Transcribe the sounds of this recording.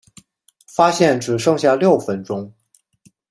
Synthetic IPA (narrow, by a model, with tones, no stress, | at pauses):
fa˥ɕjɛ˥˩nʈ͡ʂɻ̩˨˩ʂɤ˥˧ŋɕja˥˧ljo˥˩ʊfə˧˥nʈ͡ʂʊ˥ŋ